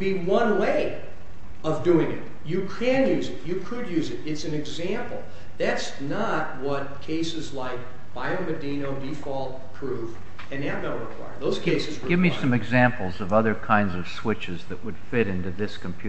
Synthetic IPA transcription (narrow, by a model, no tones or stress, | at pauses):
biwʌ̃nweɪ | ʌvduɪ̃ŋɪ̰t̚ | jɨkʰɨ̃njʉzɨtjɨkʰɨd̚jʉzɨɾɨtsɨ̃n̩ɨɡzæ̃mpl̩ˠ | ðæts | nə | t̚wʌt̚kʰeɪsɨzlaɪk̚ | b̥aɪoʊmɨdĩnoʊdifɔlˠ | pʰɹ̥uv | ɨ̃nævnoʊɹɨkʰw̥a̰ɪə˞ðoʊz̥keɪsɨz̥ɡɪvmissʌ̃mɨɡzæ̃mpl̩ˠzʌvʌðə˞kʰãɪ̃ndzʌv̥swɪt͡ʃɨzðɨʔwɨd̥fɪɾɪ̃ntʉðɪskʰm̩pʰj̥ʉ